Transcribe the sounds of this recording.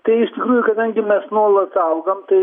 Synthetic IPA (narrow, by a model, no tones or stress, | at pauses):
t̪ɐɪɪʃt̪ʲɪkɾuːjʊkɐd̪ɐŋʲɡʲɪmʲɛsnuɔlˠɐsɐʊɡɐmt̪ɐɪ